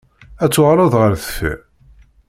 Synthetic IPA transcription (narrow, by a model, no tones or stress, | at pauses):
æt͡sːʊʁɾˤoðˤʁəɾθə̥fḭ